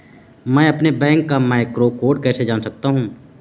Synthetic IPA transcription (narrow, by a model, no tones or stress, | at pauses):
mɛ̃ːɐpnebɛ̃ːŋkːamaːɪkɾokoːɖ̚kɛːsed͡ʒaːnsɐk̚t̪aɦũː